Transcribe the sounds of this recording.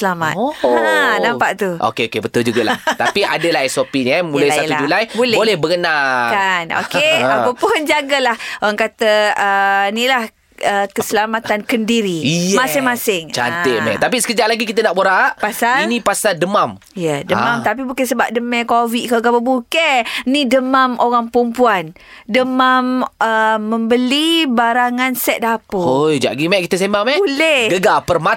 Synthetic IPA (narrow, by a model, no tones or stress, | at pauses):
səlama̰tanampaʔt̪uʔo̰keokebət̪ʊld͡ʒuɡalaht̪apiadəlaɦɛsopinamulajsaluad͡ʒulajbolɛbolɛhbəkənakano̰keapapʊnd͡ʒaɡalahoɾaŋkat̪əənilah | əkəsəlamat̪ankəndiɾimasɪŋmãsɪŋt͡ʃa̰neʔmɛ̰ʔt̪apisəkəd͡ʒaʔlaɡikit̪ənaʔboɾaʔpasainĩpasadəmam | jədəmãmt̪ap̬ibukɪnsəba̰p̚dəmɛkovikaɡabəbukɛnidəmamoɣaŋpɾumpuandəmaməːəmbəlibaɾaŋansɛt̪̚apəojd͡ʒa̰ʔɡimɛʔkit̪əsembaŋmɛolɛhɡəɡapərma